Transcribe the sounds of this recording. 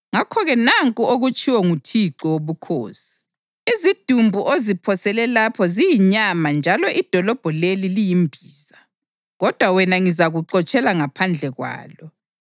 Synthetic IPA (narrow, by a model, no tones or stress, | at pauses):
ŋakʰɔɣɛnaŋkʼuoɣut͡ʃʰʼiwɔŋutʰiǃɔwoβukʰo̰ːsi̥ | izid̥ʱumbʱuʔozipʰɔsɛlɛlapʰɔzijiɲamand͡ʒʱalɔʔid̥ʱɔlɔb̥ʱɔlelilijimbʱiːza | ɣɔd̥ʱwawɛnaŋizaɣuǃɔt͡ʃʼɛlaŋapʰand͡ɮʱɛɣwa̰ːlɔ